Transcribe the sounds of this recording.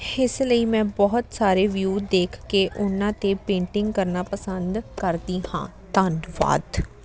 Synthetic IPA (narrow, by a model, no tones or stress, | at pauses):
ɪsləiːmɛ̃ːbɔɦʊt̪saːɾeːʋjuːd̪eːkʰkeːʔʊnãːt̪eːpẽːɳʈɪŋɡkəɾnaːpəsənd̪kəɾd̪iːhã̰ː | t̪ənʋa̰ːt̪